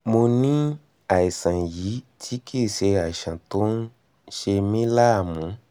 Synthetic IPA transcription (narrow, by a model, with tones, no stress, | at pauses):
mo˧nĩ˦ | a˨i˨sã˨ji˨˦tʰi˦kʰi˦˨se˧a˨ʃã˨to˨˦n̩˦ | ʃe˧mĩ˦la˦˨mũ˨˦